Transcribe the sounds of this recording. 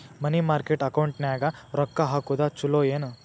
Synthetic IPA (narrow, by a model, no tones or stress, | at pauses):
mɐnimaːɾkeʈɐkɐwɳʈnjaːɡɐɾɔkːɐɦaːkud̪at͡ʃuloːeːnu